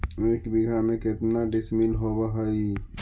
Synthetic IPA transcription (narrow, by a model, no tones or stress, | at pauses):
eːkbiɡʱamẽkɪt̪naɖɪsminɦobaɦəi